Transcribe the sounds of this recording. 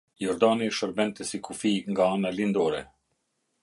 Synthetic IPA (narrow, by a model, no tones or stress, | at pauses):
jɔɾd̪aniʃɔɾbɛnt̪əsikufiŋɡaanalind̪ɔɾɛ